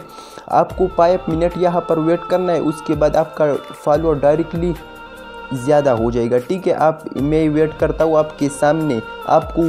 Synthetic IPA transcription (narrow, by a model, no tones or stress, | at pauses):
a̰ːpkopaːjpmɪnəʈjɐɦãpɐɾʋeːʈkɐɾnaɦɛ̰ʔʊskebaːd̪aːpkafaːloaɖaːɪɾɛkʈli | zjaːd̪aɦod͡ʒaːeːɡaʈʰiːkɛʔaːpmɛ̃ʋeːʈkɐɾt̪aɦũaːpkesaːmnea̰ːpko